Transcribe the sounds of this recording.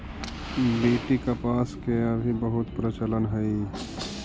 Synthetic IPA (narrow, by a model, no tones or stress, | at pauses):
beːʈikapaːskeəbʱibəɦʊt̪pɾət͡ʃələnɦɛi